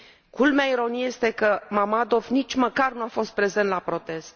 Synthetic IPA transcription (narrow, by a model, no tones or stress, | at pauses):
kulmeaiɾo̞nijejest̪e̞kəmamad̪o̞vnit͡ʃʲməkarnuafo̞st̪̚pɾe̞zent̪lapɾo̞t̪e̞st̪